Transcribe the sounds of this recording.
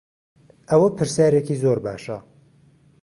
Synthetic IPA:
ʔɐwɐpʰɨɾsjaːɾekizoːɾba̰ːʃɐ

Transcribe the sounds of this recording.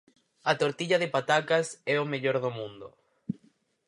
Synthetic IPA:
at̪oɾt̪iʎaðepat̪akasɛomeʎoɾðomũnd̪o

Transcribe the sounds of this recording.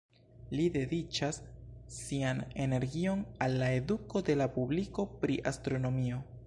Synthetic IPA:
lide̞dit͡ʃasː | iane̞ne̞ɾɡio̞nalːae̞duko̞de̞lapubliko̞pɾiʔastɾo̞no̞mio̞

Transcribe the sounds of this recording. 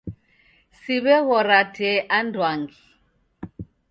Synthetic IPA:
siβɛɣɔɾatʰɛʔandʱwaŋɡi

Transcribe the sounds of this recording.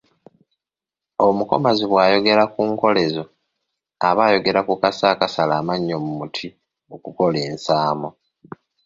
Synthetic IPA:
omuko̞̰maziβwaːjo̞ɡe̞ɾakuːŋko̞le̞zo̞ | a̰βaːjo̞ɡe̞ɾakukasaːkasalaːmaɲːomumutʰi | okuko̞leːnsaːmo

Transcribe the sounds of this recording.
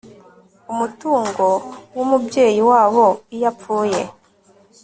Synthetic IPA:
umutuːŋɡo̞wumubje̞ːjiwaːβo̞ijapfuːje̞

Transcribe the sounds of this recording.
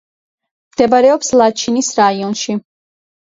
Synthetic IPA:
md̪̥ɛbaɾɛɔpslˠat͡ʃʰinisɾaiɔnʃi

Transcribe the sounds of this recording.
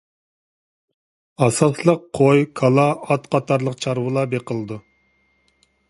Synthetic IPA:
ɑsɑslˠəqʰːojkʰɑlˠɑɑt̪qʰɑt̪ʰɑɾlˠəqt͡ʃʰɑɾwɨlˠɑbeqʰəlˠɨd̪u

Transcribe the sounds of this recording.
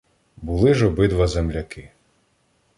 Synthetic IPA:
bʊlˠɪʒɔbɪd̪ʋɐzemlʲɐkɪ

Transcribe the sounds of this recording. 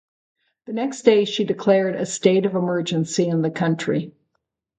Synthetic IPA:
ðɨnɛksd̥eɪʃidɨkʰl̥ɛɹɾɨ̰steɪɾʌvəmɜ˞d͡ʒɨ̃nsiɨ̃nðɨkʰʌ̃nt͡ʃɹ̥i

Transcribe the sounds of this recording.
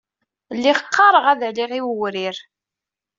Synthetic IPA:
lːiχəqʰːɑɾˤəʁæðəʕliʁiwəwɾiɾ

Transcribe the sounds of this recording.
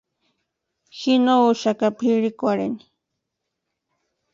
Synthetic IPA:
xinouʃakapʰiɺikʷaɾeni̥

